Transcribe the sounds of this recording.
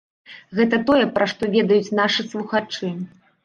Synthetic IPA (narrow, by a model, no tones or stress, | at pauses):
ɣɛt̪ɐt̪ɔjɛpɾaʂt̪ɔvʲɛd̪ɐjut͡sʲnaʂɨslˠuxat͡ʂɨ